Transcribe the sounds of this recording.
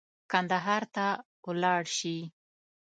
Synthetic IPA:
kand̪aɦɑɾt̪a | wlɑɽʃi

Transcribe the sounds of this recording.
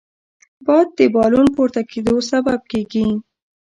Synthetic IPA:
bɑjd̪̚ːəbɑlunpoɾt̪aked̪osabab̚keɡi

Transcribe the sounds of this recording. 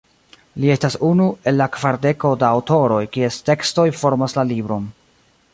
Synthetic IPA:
lie̞stasunue̞lːakvaɾde̞ko̞daːwto̞ɾo̞jkie̞ste̞ksto̞jfo̞ɾmaslalibɾo̞n

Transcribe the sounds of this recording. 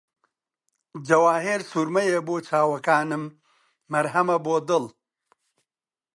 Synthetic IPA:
d͡ʒɐwaːɦeɾsuɾmɐjeboːt͡ʃʰaːwɐkaːnɨmː | ɐɾɦɐmɐboːd̪ɨl

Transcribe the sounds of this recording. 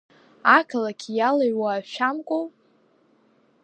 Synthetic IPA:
akʰalakʲʰijalaɥwaːʃᶣamkʷʼow

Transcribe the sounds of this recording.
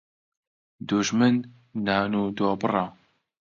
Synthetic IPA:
d̪uʒmɨnː | aːnud̪ɔːbɨrɑ

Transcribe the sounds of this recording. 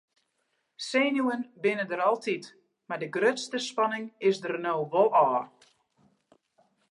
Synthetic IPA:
seːnjuənbɪnədəɾɔlˠtʰit | madəɡrøtstəspɑnɪŋɪsdərnoːʋɔlˠɔː

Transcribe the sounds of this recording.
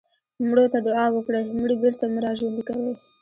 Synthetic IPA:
mɽot̪ad̪ʊɑwəkɽamɽibeɾt̪amʊɾɑʒwand̪ikawej

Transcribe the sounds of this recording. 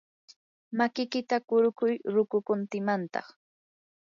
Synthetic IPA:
makɪkɪt̪akʊɾʊkʊjɾʊkʊkʊnt̪ɪmant̪ɑ̰χ

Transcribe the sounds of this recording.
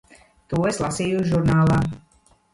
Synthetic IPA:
t̪ueslˠasijuʒuɾnaːlˠaː

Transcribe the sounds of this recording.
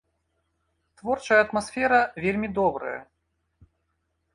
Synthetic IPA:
t̪vɔrt͡ʂɐjɐːt̪masfʲɛɾɐvʲelʲmʲid̪ɔbɾɐ̰jɐ̰

